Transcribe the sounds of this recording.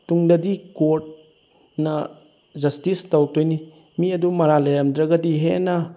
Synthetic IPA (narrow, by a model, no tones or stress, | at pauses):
tuŋdɐdikoɾt̚ | nɐ | d͡ʒɐstistawtojni | miɐdumɐɾalɐjɾɐmdɾɐɡɐdiɦenɐ